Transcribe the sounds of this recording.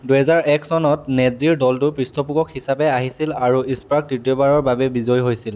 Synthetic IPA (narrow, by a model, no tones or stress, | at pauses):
duɦɛzaɹɛksɔnɔtnɛziɹdɔltʊpɹistɔpuɡɔkhisapɛaɦisilaɹuispɹak̚dɹitijɔbaɹɔɹbabɛbizojɦojsil